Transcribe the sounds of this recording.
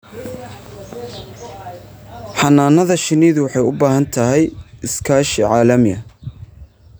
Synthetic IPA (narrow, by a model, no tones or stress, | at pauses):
ħɑnaːnɐðɐʃɪniːðwɑħɑjʊbaːɦɐnt̪ʰɐɦɛjɪskʰaːʃɪʕɑːlɐmɪɐ